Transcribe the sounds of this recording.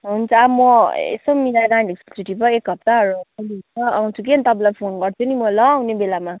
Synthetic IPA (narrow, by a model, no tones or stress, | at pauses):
ɦunt͡sʰʌabmʌḛsomiɾaɡãɖʱiksu̥t͡suʈʰipʌek̚ɡʱʌp̚t̪aʌɾuʌlit͡sʌa̰w̃t͡sʰukent̪ʌbãlajpʰonɡʌrt͡sʰunimʌlʌːwnebelama